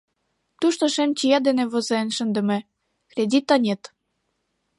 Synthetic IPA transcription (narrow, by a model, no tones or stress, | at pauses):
t̪uʃt̪oʃemt͡ɕijɑd̪enĕβozeenʃənd̪ə̆mĕ | krʲedʲit̪ːɑnʲet̪